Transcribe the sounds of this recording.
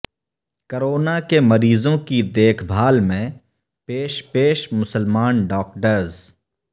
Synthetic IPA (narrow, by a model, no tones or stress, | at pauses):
kəɾoːnakemɐɾiːzõkid̪eːkʰbʱaːlmẽ | peːʃpeːʃmʊsəlmaːnɖɔːk̚ʈəɾz